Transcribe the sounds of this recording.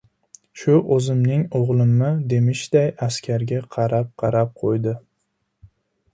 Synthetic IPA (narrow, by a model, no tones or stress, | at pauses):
ʃʊʔɵzɪmnɪŋoʁlˠɪmnɪd̪emɪʃd̪̥ajaskʲʰaɾɡʲaqʰɑɾap̚qʰɑɾap̚qʰojd̪ɪ